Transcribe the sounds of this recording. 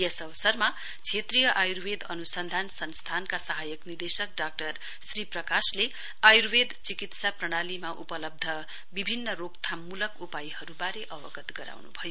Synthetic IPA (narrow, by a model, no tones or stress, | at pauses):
jesʌʋʌsʌrma | t͡sʰet̪rijʌʔajurwed̪ʌnusʌnd̪ʱansʌnst̪ʰankasʌɦajʌknird̪esʌk̚ɖak̚ʈʌr | sriprʌkasle | ajuɾwed̪t͡sikit̪saprʌɽ̃alimaʔupʌlʌb̚d̪ʱʌ | bibʱinːʌrokt̪ʰamulʌkupajihʌɾubaɾeʔʌbʌɡʌt̪ɡʌɾa̰wnubʱʌjo